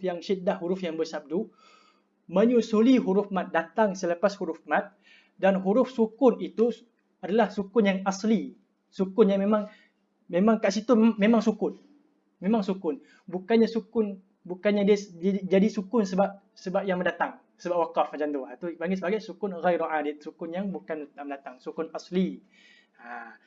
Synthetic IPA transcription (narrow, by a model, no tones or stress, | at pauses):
fjaŋʃidahɦuɾʊfjaŋbəsab̚du | məɲusuliɦuɾʊfmat̪̚dat̪aŋsələpashuɾʊfmat̪̚ | danɦuɾʊfsukʊnit̪u | adalahsukʊnjaŋasli | sukʊnjamemaŋ | memaŋkaʔsit̪umemaŋsukʊn | memaŋsukʊn | bukanɲasukʊn | bukanɲadiəd͡ʒadisukʊnsəbap̚ | səbap̚jaŋməndat̪aŋ | səbap̚wakafad͡ʒant̪uat̪upaŋɡɪsəbaɡajsukʊnɣajɾuʕadɪt̪̚sukʊnjaŋbukanməndat̪aŋsukʊnasli | a